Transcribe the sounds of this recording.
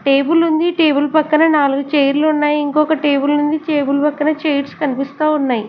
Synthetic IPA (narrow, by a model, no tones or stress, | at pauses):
ʈe̞ːbulnund̪iʈe̞ːbulpɐkːɐnɐnaːluɡut͡ʃejɐɾlunːaːjiŋkɔːkɐʈe̞ːbulnund̪it͡ʃeːbulpɐkːɐnɐt͡ʃejʈskɐnipist̪aːunːaːji